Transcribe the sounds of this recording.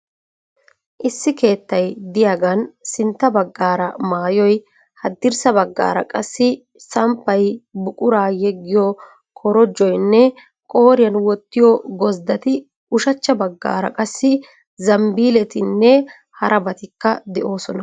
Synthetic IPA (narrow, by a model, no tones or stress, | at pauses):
ʔɪsːɪke̞ːt̪ːɐjd̪ɪjaːɡɐnsɪnt̪ːɐbɐɡːaːɾɐmaːjɔj | hɐd̪ːɪɾsɐbɐɡːa̰ːɾɐ̰kʼɐsːɪ | sɐmpːɐjbʊkʼʊɾaːjɛɡːɪjɔ | kʰɔɾɔd͡ʒːɔjnːɛ | kʼo̞ːɾɪjɐnwɔt̪ːɪjɔɡɔzd̪ɐt̪ɪ | ʊʃɐt͡ʃːɐbɐɡːa̰ːɾɐ̰kʼɐsːɪ | zɐmbiːlɛt̪ɪnːɛ | hɐɾʔɐbɐt̪ɪkːɐd̪ɛʔo̞ːsɔnɐ